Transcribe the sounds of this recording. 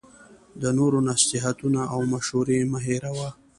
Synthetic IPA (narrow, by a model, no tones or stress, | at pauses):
d̪ənoɾonasɪɦat̪unaʔawmaʃhuɾemaɦeɾawa